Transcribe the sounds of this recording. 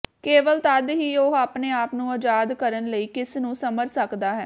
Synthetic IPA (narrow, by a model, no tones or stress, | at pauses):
keːʋəlt̪ad̪ɦiːoɦaːpneːaːpnũːɔd͡ʒaːd̪kəɾənləiːkɪsnũːsəməɾsəkd̪aːɦɛ̰ː